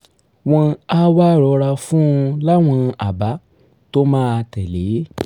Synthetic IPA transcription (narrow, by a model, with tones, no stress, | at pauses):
w̃ɔ̃˧a˦wa˦˨ɾɔ˧ɾa˧fũ˦˧la˦w̃ɔ̃˧a˨ba˨˦ | to˦mãː˦a˧tɛ˨le˨˦